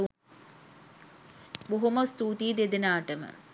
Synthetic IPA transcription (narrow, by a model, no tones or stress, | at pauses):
buɦumɐst̪uːt̪iːd̪ed̪inaːʈːɐmɐ̰